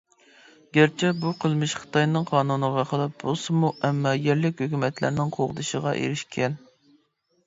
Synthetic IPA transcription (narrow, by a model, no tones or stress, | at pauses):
ɡʲæɾt͡ʃʰɛbuqʰəlˠmɪʃχə̥t̪ɑjnɨŋqʰɑːnunəʁɑχəlˠɑp̚b̥usɨmuʔɛmːɑjɛɾlɪkʲhøkʲymɛt̪ʰlæ̰ɾnɪŋqʰoʁəd̪ɨʃəʁɑ̰ʔḛɾɪʃkʲʰɛn